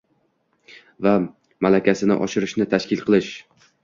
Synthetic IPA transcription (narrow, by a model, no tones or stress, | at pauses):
va | malakʲasɪnɪ̰ʔɒ̰ʃɪɾɪʃnɪt̪ʰaʃkʲɪlˠqʰɨlˠɪʃ